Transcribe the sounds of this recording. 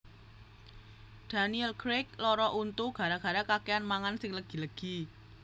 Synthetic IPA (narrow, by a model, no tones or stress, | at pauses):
d̪̥a̤niɛlkɾek̚lɔɾɔʔunt̪uɡ̥a̤ɾaɡ̥a̤ɾakakeanmaŋansɪŋləɡ̥i̤ləɡ̥i